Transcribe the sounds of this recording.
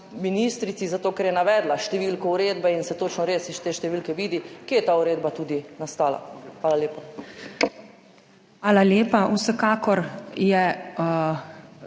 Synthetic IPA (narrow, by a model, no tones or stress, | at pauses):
minist̪ɾit̪sizat̪oːkɛɾjɛnaʋɛːd̪laʃt̪ɛʋiːlkɔuɾeːd̪bɛinsɛt̪oːt͡ʃnɔɾeːsiʃt̪eːʃt̪ɛʋiːlkɛʋiːd̪ikejɛt̪aːuɾeːd̪bat̪uːd̪inast̪aːla̰xʋaːlaleːpa | xʋaːlaljeːpausɛkaːkɔɾjɛ